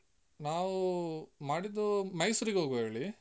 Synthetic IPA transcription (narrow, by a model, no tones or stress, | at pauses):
naːʋumaːɽid̪ːumɐjsuɾiɡeɦoːɡueːɭi